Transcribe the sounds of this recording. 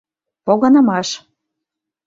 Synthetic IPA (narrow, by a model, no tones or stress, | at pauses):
poɣɑnɤ̆mɑʃ